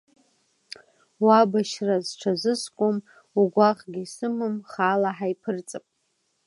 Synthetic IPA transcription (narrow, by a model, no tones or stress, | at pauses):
wabaʃrazʈ͡ʂʷʰazɨskʷʼʊm | uɡʷaʁɡʲisɨmɨmχaːlaħajpʰɨrt͡sʼapʼ